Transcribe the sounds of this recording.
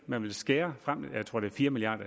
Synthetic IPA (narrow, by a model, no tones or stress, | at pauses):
mænʋe̝lsɡ̥ɛːɐfʁam̰jaɪt͡sʰʁo̰de̝ɐfiːɐmiliɑ̰ːd̥ɐ